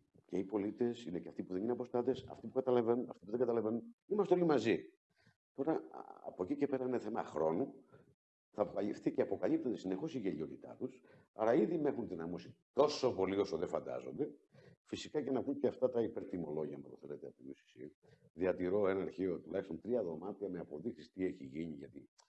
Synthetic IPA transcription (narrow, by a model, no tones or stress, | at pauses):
ceipo̞lit̪e̞sineceɐft̪ipuðe̞nineɐpo̞st̪ɐt̪esɐ̰ft̪ipu̥kɐt̪ɐlɐvenunɐ̰ft̪ipuðe̞ŋɡɐt̪ɐlɐve̞nunimɐst̪eo̞limɐzi | t̪o̞ɾɐɐ̰po̞cice̞pe̞ɾɐineθe̞mɐ̰xɾo̞nu | θɐːpokɐʎifθiceɐpo̞kɐʎip̚t̪od̪esine̞xo̞siʝeʎio̞t̪it̪ɐ̰t̪us | ɐɾɐiðime̞xunðinɐmosi̥t̪o̞so̞po̞liosoðefɐnd̪ɐ̰zo̞̰nd̪e̞fisikɐcenɐkunceɐft̪ɐt̪ɐipe̞ɾt̪imo̞lo̞ʝiɐmɐt̪oθe̞let̪eɐpt̪oijusi̥sḭ | ðiɐt̪iɾo̞enɐːɾçio̞t̪ulɐçist̪o̞nt̪ɾiɐðo̞mɐt̪iɐmeɐpo̞ðiksist̪ie̞çiʝiɲiʝɐ̰t̪i